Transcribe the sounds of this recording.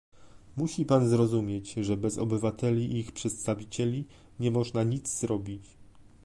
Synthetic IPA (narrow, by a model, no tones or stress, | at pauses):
muɕipanzɾɔzumʲjet͡ɕʐɛbɛzɔ̰bɘvat̪ɛlʲiʔixpʂɛt̪st̪avʲit͡ɕɛlʲi | ɲɛmɔʐnaɲit̪zzɾɔbʲit͡ɕ